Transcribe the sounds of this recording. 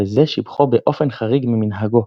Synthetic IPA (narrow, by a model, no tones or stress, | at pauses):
ezeʃibχobeʔo̞fenχaʁiɡmiminɦaɡo